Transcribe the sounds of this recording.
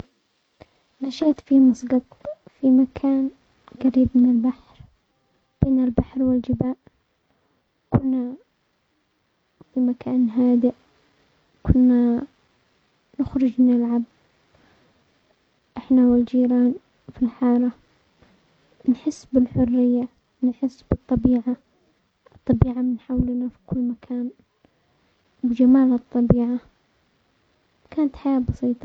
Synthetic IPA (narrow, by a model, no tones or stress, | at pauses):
maʃaːt̪fimɑsˤɡɑt̪ˤfimakʰaːn | ɡaɾiːbmɪnɪlbaħɾ | b̥eːnɪlbaħɾwɪld͡ʒɪbaːʔ | kʊnːa | fimakʰaːnɦaːd̪ɪʔ | kʰʊnːa | nʊxɾʊd͡ʒmɪnɪlʕab̚ | ʔɪħnawɪld͡ʒiːɾaːn | filħɑːɾˤɑ | nħɪsːbɪlħʊrːɪjːa | nħɪsːbɨt̪ˤːɑbiːʕa | ʔɨt̪ˤːɑbiːʕamɪnħawlnafi̥kʊlːmakʰaːn | wɪd͡ʒamaːlɨt̪ˤːɑbiːʕa | kaːnat̪ħajaːbɑsˤiːt̪ˤɑ